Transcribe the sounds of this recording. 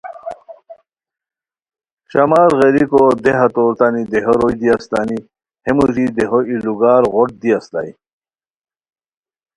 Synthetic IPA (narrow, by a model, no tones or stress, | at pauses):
ɕɐmaːɾɣeɾikod̪eɦat̪oːɾt̪anid̪eɦoɾojd̪iast̪ani | hemuzid̪eɦoiluɡaːɾʁoʈ̚d̪iast̪a̰i